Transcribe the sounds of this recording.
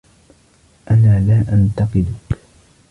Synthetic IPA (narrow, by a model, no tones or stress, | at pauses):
ʔanaːlaːʔant̪ɑqɨd̪ʊk